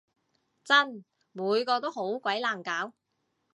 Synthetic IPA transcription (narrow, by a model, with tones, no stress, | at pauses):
t͡sɐ˥n | muː˨˧jkɔː˧t̪o˥who˨˥wkʷɐ˨˥jlaː˨ŋkaː˨˥w